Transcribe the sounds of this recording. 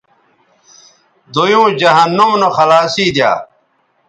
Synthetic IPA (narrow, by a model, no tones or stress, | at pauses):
d̪ojũːd͡ʑɐɦɐnːumnɐxɐlaːsiːd̪ja̰ː